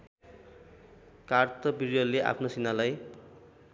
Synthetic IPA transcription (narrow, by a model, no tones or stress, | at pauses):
kart̪ʌbiɾjʌleʔa̰pʰnosinalaj